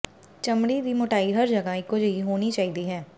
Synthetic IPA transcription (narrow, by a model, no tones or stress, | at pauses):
t͡ʃɐmɽid̪ʱimʊʈaːiɦɐɾd͡ʒɐɡaɪkod͡ʒɐiɦoːnit͡ʃaːɦid̪iɦɛː